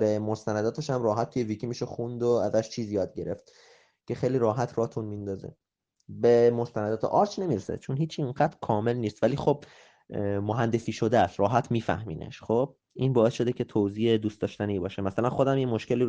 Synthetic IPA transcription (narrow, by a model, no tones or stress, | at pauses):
bemost̪ænæd̪ɒːt̪ʰe̞ʃæmrɒːɦæt̪̚ʰːujevicʰimiːʃexund̪oæzæʃt͡ʃʰiːzijɒːd̪̚ɟe̞ɾe̞ft̪ | cʰe̞xejliːɾɒːɦæt̪ʰɾɒhet̪ʰunmind̪ɒːzḛ | be̞mo̞st̪ænæd̪ɒːt̪ʰeʔɒɾt͡ʃne̞miɾesḛt͡ʃʰonɦiːt͡ʃʰːiiŋɢæd̪ɾkʰɒːme̞lniːst̪væliːxob̥̚ | moɦænd̪e̞siːʃo̞d̪eæst̪ɾɒːɦæt̪ʰmiːfæ̰hmiːnḛʃχob̚ | iːnbɒːesʃo̞d̪ecʰe̞t̪ʰoziːed̪uːst̪ɒːʃt̪æniːbɒːʃemæsælænxo̞d̪æmjemoʃke̞liː